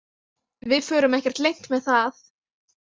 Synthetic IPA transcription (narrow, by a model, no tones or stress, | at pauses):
vɪðfœːɾʏmɛhcɛɾ̥t̪lejŋ̥t̪mɛðθaθ